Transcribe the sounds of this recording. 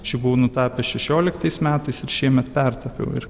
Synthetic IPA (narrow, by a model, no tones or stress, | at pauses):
t͡ʃʲɪbuʋnʊt̪ɑːpʲɛʃʲɛʃʲoːlʲɪkt̪ɐɪsmʲæːt̪ɐɪsɪɾʃʲiɛmʲɛt̪pʲɛrt̪ɐpʲɛ̰ʊɪ̰ɾ